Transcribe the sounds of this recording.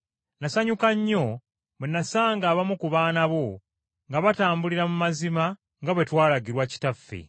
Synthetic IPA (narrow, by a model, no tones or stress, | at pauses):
nasaɲukaɲːo̞ | βenːasaːŋɡaːβamukuβaːnaβo̞ | ŋɡaβataːmbuliɾamumazima | ŋɡaβe̞twaːlaɡiɾwaci̥tafːḛ